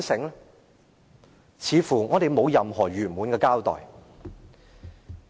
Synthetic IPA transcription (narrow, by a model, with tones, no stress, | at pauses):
sɪ˨˥ŋ | t͡sʰiː˨˧fuː˨˩ŋɔː˨˧ɾe˨jmo˨˧wjɐ˨mɦɔː˨˩ɥyː˨˩nmuː˨˧nkɛː˧kaː˥wt̪ɔ̰ː˨˩j